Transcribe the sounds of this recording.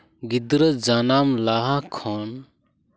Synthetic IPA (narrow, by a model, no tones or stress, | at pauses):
ɡid̪ɾəd͡ʒanamlaɦakʰɔn